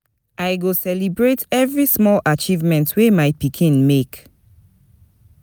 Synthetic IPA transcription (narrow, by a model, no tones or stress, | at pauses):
ʔajɡosɛlibɹetɛvɹismɔlʔat͡ʃivmɛ̃ntʰwemaɪpikʰĩnmek